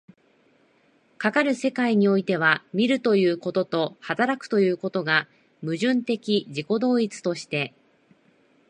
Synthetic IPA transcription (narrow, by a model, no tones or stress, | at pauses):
kakaɾɯ̟se̞kaiɲ̟io̞it̪e̞β̞amʲiɾɯ̟t̪o̞jɯ̟ːko̞t̪o̞t̪o̞hat̪aɾakɯ̟̥t̪o̞jɯ̟ːko̞t̪o̞ɡa | mɯ̟ʑɨ̃nt̪e̞kʲiʑiko̞d̪o̞ːit͡sɨ̥t̪o̞ɕi̥t̪e̞